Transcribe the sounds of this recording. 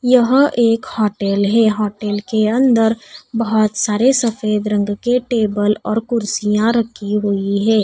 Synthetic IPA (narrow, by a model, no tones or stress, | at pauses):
jɐɦʔeːkhɔːʈɛːlɦɛːɦɔːʈɛːlkeɐ̃nd̪əɾbɐɦɔt̪saːɾesɐfeːd̪ɾə̃ŋɡkeʈeːbəlɔːɾkʊɾsijãɾɐkʰːiɦʊiɦɛː